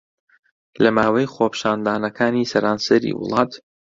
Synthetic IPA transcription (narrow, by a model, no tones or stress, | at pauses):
lɐmaːwɐjχopʃaːnd̪aːnɐkʰaːniːsɐɾaːnsɐɾḭːwʊ̰lˠɑːt̪